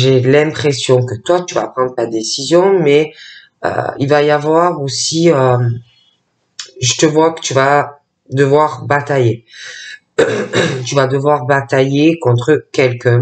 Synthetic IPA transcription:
ʒelɛ̃pχesjɔ̃kət̪wat̪yva̰pχɑ̃d̪ʁət̪ad̪esizjɔ̃mɛ | ø̰ilvajavwaʁosiø | ʒət̪əvwakə̥t̪yva | d̪əvwaʁbat̪aje | t̪yvad̪əvwaʁbat̪ajekɔ̃t̪χəkʲɛlkœ̃

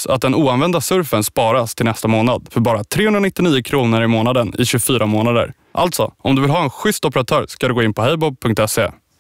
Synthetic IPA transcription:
sa̰t̪̚d̪ɛnuːanvɛnd̪asɵɾfənspɑːɾast̪ʰɪlnɛst̪amoːnad̪fœɾbɑːɾat̪ʰɾeːhɵnɾanɪt̪ːɪniːʊkʰɾuːnəɾɪmoːnad̪ənɪ̰ɕɵfyːɾamoːnad̪ə̰ɾ | ʔa̰lt̪sɔ̰ɔmd̪ɵvɪlɦɑːɛnɧʏst̪ɔpəɾat̪ʰœːɾskad̪ɵɡoːɪnpʰɔɦɛjbɔb̚pʰɵŋkt̪ɛsḛ

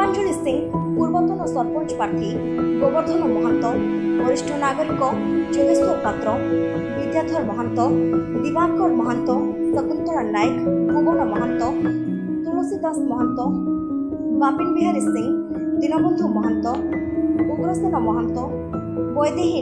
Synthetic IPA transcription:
and͡ʒʱuɭisiŋpuɾbɔt̪ɔnɔsɔɾpɔnt͡ʃpaɾʈ̪ʰi | ɡobɔɾt̪ʰɔnɔmɔɦant̪ɔ | bɔɾiʃʈʰɔnaɡɔɾikɔ | d͡ʒoɡisɔɾpat̪ɾɔ | bid̪jad̪ʱɔɾmɔɦant̪ɔd̪ibankɔɾmɔɦant̪ɔsəkunt̪ɔɾanajkbɔɡɔnɔmɔɦant̪ɔ | t̪uɾosid̪əsmɔɦant̪ɔ | bapinbiɦaɾisiŋ | d̪inɔbɔnd̪ʱumɔɦant̪ɔ | uɡɾɔsinɔmɔɦant̪ɔ | bɔjd̪eɦi

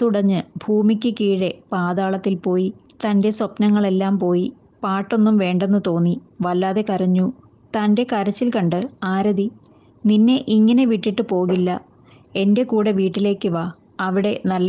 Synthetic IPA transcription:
t̪uɽɐɲːɨbʱuːmikʲːɨkiːɽepaːðaːɭɐt̪ːilpo̞ːjit̪ɐnde̞swɐpnɐŋːɐɭe̞lːaːmpo̞ːji | paːʈːo̞nːumʋe̞ːɳɖe̞nːɨt̪o̞ːnːi | ʋɐlːaːðe̞kɐɾɐɲːu | t̪ɐnde̞kɐɾɐt͡ɕːilkɐɳɖɨaːɾɐði | ninːe̞ʔiŋːɐne̞ʋiʈːiʈːɨpo̞ːɣilːɐ | e̞nde̞kuːɽeʋiːʈːile̞ːkːɨʋaː | ɐʋiɽe̞nɐlː

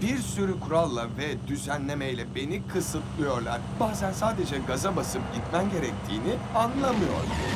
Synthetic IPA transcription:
biɾsyɾykʰuɾalˠːavɛd̪yzænlʲe̞mejlʲɛbe̞nikʰɯsɯt̪ʰlˠɯjo̞ɾlˠaɾ̥baːzænsaːd̪e̞d͡ʒɛɡazabasɯp̚ɟit̪mæmɟe̞ɾɛc̚t̪ʰiːnianlˠamɯjo̞̰ɾˠa̰̥

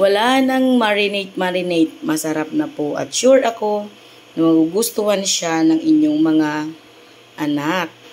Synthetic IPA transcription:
wɐlahɐnɐŋmaɹɪnejt̪̚maɾɪnɛjt̪̚mɐsɐɾap̚nɐpoʔɐ̰t̪̚ʃuɹʔɐko̞ | nɐmɐɡuɡʊst̪ʊhanʃanɐŋʔɪɲːoŋmɐŋa | ʔɐnak̚

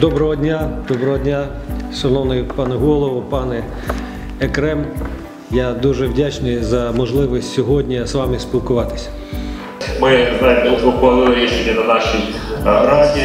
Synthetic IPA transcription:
d̪ɔbɾɔɦɔdʲnʲad̪̥ɔbɾɔɦɔdʲnʲa | ʃɔnɔwnɛjpɑnɛɦɔlˠɔʋʊpɑnɛː | kɾɛm | jad̪uʒɛʋdʲat͡ʃnɪjzɐmɔʒlˠɪʋɔsʲtʲsʲɔɦɔdʲnʲisʋɑmɪspʲilˠkʊʋɑt̪ɪ̥sʲɐ̥ | mɪznajmɔɔpɐnulɾʲiʃenʲɛnɐnaʃijpɾatʲi

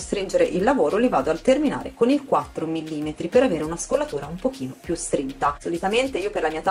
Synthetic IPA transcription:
st̪ɾind͡ʒeɾeʔilːavoːɾolivaːd̪oalt̪ermina̰ːɾekonilkwat̪ːɾomilːiːmet̪ɾipeɾaveːɾeunaskolːat̪uːɾaumpok̟iːnopjust̪ɾint̪ːasolit̪ament̪eiːoperlamiːat̪

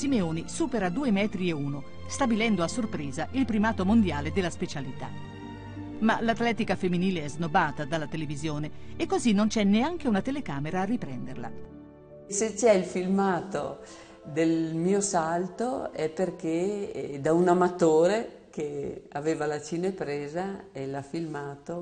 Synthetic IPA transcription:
simeoːnisuːpeɾad̪uːemɛːt̪ɾieuːno | st̪abilɛnd̪oasːorpɾeːzaʔilpɾimaːt̪omond̪jaːled̪elːaspet͡ʃalit̪a̰ | malat̪lɛːt̪ikafemːiniːleɛznobaːt̪ad̪alːat̪elevizjoːneːkːozinːont͡ʃɛnːeaŋk̟eunat̪elekaːmeɾaːrːipɾɛnd̪erla̰ | set͡ʃɛilfilmaːt̪o | d̪elmiːosalt̪oɛpːerked̪aunamat̪oːɾe | keaveːvalat͡ʃinepɾeːzaelafilmaːt̪o

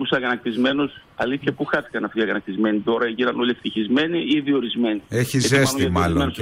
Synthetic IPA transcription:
pusɐɣɐnɐk̚t̪izme̞nus | ɐliθçɐpuxɐθi̥kɐnɐft̪iɐɣɐnɐk̚t̪izme̞nit̪o̞ɾɐʝinɐno̞lʲieft̪içizme̞niiðio̞ɾizme̞nieçizesoimɐlon

